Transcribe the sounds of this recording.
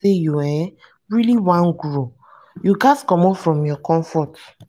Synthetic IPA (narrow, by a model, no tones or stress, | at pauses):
ejuwɛ | ɹiliwãnɡuɹo | juɡaskɔ̃mɔfɹɔ̃mjɔkɔ̃ɱfɔt